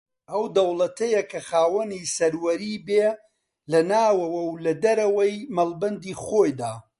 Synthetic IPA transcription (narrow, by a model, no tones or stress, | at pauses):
ʔɐwd̪ɐwlɐt̪ʰɐjɐkʰɐxaːwɐnisɐɾwɐɾiːbeː | lɐnaːwɐwɐwlɐd̪ɐɾɐwɐjmɐlbɐnd̪iːχoːjd̪aː